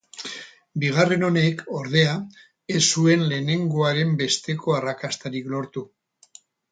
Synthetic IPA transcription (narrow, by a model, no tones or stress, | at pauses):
biɣ̞are̞no̞ne̞ko̞ɾðe̞a | esːue̞nle̞ne̞ŋɡo̞aɾe̞mbe̞st̪e̞kʰo̞arakast̪aɾiklo̞ɾt̪u